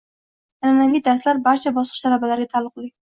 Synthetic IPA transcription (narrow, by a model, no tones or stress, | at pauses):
ananavid̪aɾslaɾbaɾt͡ʃʰabɒsɨʃt̪ʰalabalaɾɡʲat̪ʰalˠːʊq̚lˠɪ